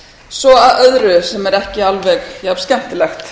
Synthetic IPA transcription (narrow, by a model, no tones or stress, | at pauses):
svɔaðœðɾʏsɛmɛɾɛhcɪalvɛxjav̥scɛm̥t̪ɪlɛxt̪